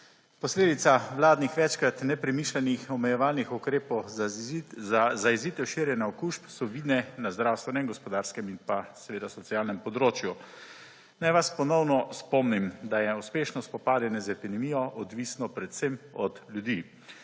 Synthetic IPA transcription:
pɔsleːd̪it̪saʋlaːd̪nixʋɛt͡ʃkɾat̪nɛpɾɛmiʃlɛnixɔmɛjɛʋaːlnixukɾeːpɔw | azaiziːt̪ɛwʃiːɾjɛnjaɔkuːʃpsɔʋiːd̪nɛnazd̪ɾawst̪ʋɛnɛmɡɔspɔd̪aːɾskɛminpasɛʋeːd̪asɔsijaːlnɛmpɔd̪ɾoːt͡ʃju | najʋaspɔnɔwnɔspɔmnimd̪ajɛuspeːʃnɔspɔpaːd̪ɛnɛzɛpid̪ɛmijɔʔɔd̪ʋiːsnɔpɾɛt̪semɔd̪lʲjud̪i

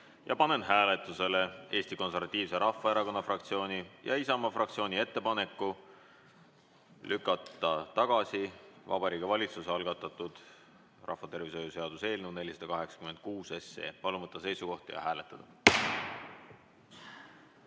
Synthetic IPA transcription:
jɑ̰pɑne̞nɦæːle̞t̪ˑːuse̞le̞e̞ːsʲt̪iko̞ns̬e̞rvɑt̪ʲːˑiːvse̞ɾɑfːɑe̞ɾɑko̞nːɑfrɑkt̪sio̞ːnʲijʔɑ̰isɑmɑfrɑkt̪sio̞ːnʲie̞t̪ːe̞pɑne̞kːˑu | lʔykːˑɑt̪ːˑɑt̪ɑɡ̥ɑsivɑ̰bɑɾiːkevɑlʲit̪suseɑlɡ̥ɑt̪ːˑɑt̪ːˑud̪̥ | rʔɑ̰fːɑt̪e̞rvis̬ojuse̞ɑd̪̥use̞ːlnune̞lʲisɑ̥d̪ɑkɑɦe̞ksɑ̥kyme̞nd̪̥̚kuːse̞se̞̰ːpɑlumɤt̪ːɑse̞jsuko̞ht̪jɑ̰hæːle̞t̪ːˑɑd̪̥ɑ

